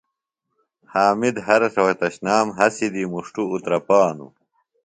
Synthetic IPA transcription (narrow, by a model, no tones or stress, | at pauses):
haːmid̪ɦɐɾɐsɐwɐt̪ɐɕnaːmɦɐsid̪imuʂʈuːt̪ɾɐpaːnṵ